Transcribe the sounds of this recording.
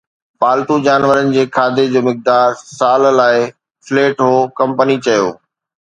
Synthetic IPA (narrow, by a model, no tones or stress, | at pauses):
paːlt̪ud͡ʑaːnʋəɾənɪ̆d͡ʑeːkʰaːd̪ed͡ʑoːmɪk̚d̪aːɾsaːllaːɪ | fleːʈɦoːkɐ̃mpənit͡ɕɐjo̰ː